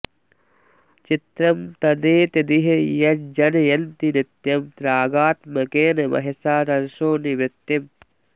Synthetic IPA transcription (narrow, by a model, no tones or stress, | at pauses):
t͡ʃit̪ɾɐmt̪ɐd̪eːt̪id̪iɦɐjɐd͡ʒɐnɐjɐnt̪inɪt̪jɐmt̪ɾaːɡaːt̪mɐkeːnɐmɐ̰ɦɐsaːt̪ɐnʃoːniʋɪt̪jɐm